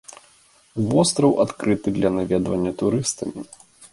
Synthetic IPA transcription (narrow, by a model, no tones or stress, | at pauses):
vɔst̪ɾɐwʔat̪kɾɨt̪ɨd̪lʲɐnavʲɛd̪vɐnʲːɐt̪uɾɨst̪ɐmʲi